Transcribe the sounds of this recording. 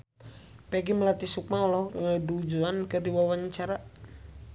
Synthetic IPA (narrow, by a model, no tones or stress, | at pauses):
pɛɡiməlat̪isuk̚maɔlɔhŋədud͡ʒuankərdiwawaɲt͡ʃaɾa